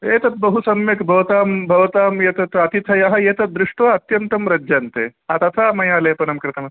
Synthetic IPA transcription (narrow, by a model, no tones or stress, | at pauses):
eːt̪ɐt̪̚bɐɦusɐmjɐkbʱɐʋɐt̪aːmbʱɐʋɐt̪aːmjet̪ɐt̪ɐt̪it̪ʰɐjɐɦɐjeːt̪ɐd̪ɾɪʂʈʋɐɐt̪jɐnt̪ɐmɾɐd͡ʒɐnt̪ḛːat̪ɐt̪ʰaːmɐjaːleːpɐnɐmkɾɪt̪ʰɐmɐ